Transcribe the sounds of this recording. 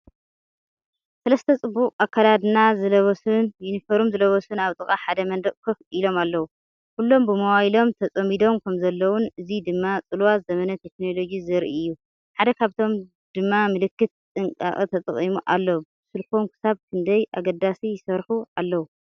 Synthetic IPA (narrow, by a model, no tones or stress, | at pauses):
sɐlɐst̪ʰɐt͡sʼɨbːukʼakʰːalad̪ɨnazɨlɐβɐsunjunifɐɾumzɨlɐβɐsunaβt̪ʼɨkʼaħad̪ɐmɐnd̪ɐʔʼkʰɨfilo̞malːɐwu | kʰulːo̞mbɨmɐwajilo̞mt̪ʰɐt͡sʼɐmid̪o̞mkʰɐmzɐlːɐwʊnɨzid̪ɨmːat͡sʼɨlwazɐmɐnɐt̪ʰe̞kno̞lo̞ɡizɨɾʔiɨjːu | ħad̪ɐkʰaβt̪ʰo̞m | d̪̥ɨmːamɨlɨkːɨt̪̚t̪ʼɨŋkʼa̰χʼɐt̪ʰɐt̪ʼɐχʼimuʔalːɐwubsɨlkomkʰɨ̥saβkʰɨnd̪ɐjʔaɡɐd̪asijɪsɐɾħualːɐwu